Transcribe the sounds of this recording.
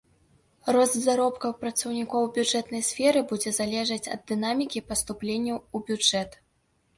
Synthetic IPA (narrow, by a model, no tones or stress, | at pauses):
rɔzzaɾɔpkɐwpɾɐt̪sɐwnʲikɔwbʲuʐɛt̪nɐjsʲfʲɛɾɨbud͡zʲɛzalʲɛʐɐt͡sʲɐ̰d̪ːɨnamʲikʲipɐst̪uplʲenʲːɐubʲud͡ʐɛt̪